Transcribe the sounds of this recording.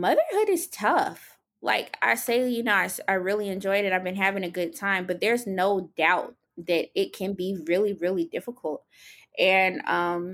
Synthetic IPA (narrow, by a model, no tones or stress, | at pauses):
mʌðə˞hʊɾɨz̥tʰʌf | la̰ɪka̰ɪseɪjɨnoʊaɪsaɪɹɪlˠiɨ̃nd͡ʒɔɪɾɨ̃ɾaɪvbɨ̃nɦævɪ̃ŋɨɡʊd̚tʰãɪ̃mbʌt̪̚ðə˞znoʊdaʊt̪̚ | ðɨɾɪt̚kʰɨ̃nbiɹɪlˠiɹɪlˠidɪfəkʰl̩ˠt̚ | ʔɨ̃nʌ̃m